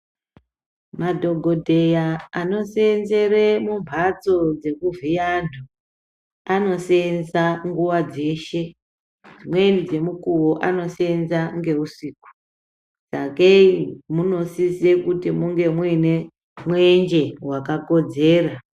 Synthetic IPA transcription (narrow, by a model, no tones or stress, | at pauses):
madʱo̞ɡʱo̞dʱe̞jaano̞senze̞remumpat͡so̞d͡ze̞kuvijandʱo | ano̞senzaŋɡuwad͡ze̞ʃe̞ | d͡zimwe̞nid͡ze̞mukuwoʔano̞senzaŋɡe̞uʂiːku̥ | d͡zakeimuno̞sisekutimuŋɡe̞mwine | mwend͡ʒe̞wakako̞d͡ze̞ːra